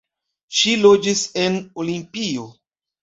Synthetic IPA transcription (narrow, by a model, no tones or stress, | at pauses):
ʃilod͡ʒise̞nolimpio̞